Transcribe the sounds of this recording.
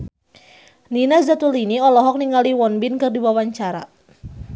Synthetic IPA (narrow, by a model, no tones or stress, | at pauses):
ninad͡ʒat̪uliniɔlɔɦɔk̚niŋaliwɔnbinkɨrdiwawaɲt͡ʃaɾa̰